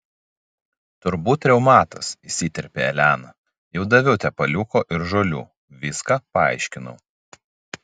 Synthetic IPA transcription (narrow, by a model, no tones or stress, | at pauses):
t̪ʊɾbuːt̪ʲːɾʲɛʊmɑːt̪ɐsisʲit̪ʲɛɾʲpʲḛːɛlʲæːnɐ | jɛʊd̪ɐʋʲɛʊt̪ʲɛpɐlʲʊkoːʔɪɾʒoːlʲṵː | ʋʲiskɑːpɐɑ̰ˑɪʃʲkʲɪnʊ̰